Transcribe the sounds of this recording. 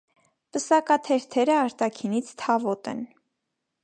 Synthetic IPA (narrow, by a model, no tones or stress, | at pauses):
pəsɑkɑt̪ʰɛɾt̪ʰɛɾəɑɾt̪ɑkʰinit͡sʰt̪ʰɑvɔt̪ɛ̰n